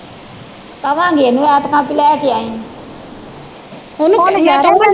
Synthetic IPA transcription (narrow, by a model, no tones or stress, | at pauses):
kəʋãːɡeːnũːɛːt̪kãːpɪlɛːkɪjãːĩː | ʊnũəaːa